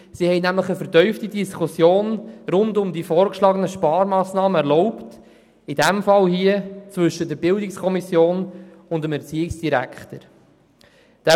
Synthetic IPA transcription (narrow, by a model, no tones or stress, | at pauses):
sihɛɪnæmləχəfəɾtœʏftidiskʰusjoːnɾʊndʊmdifɔːɾkʃlɑːɡənəʃpɑːɾmɑːsnɑːməɛɾʁlɔʊpt | id̥ɛmfɑlhiət͡svɵʃːəd̥əɾbɪldɪkskʰɔmisjoːn | ʊndəmɛɾt͡siːɪksd̥iɾæ̰kʰχtəɾ | d̥æ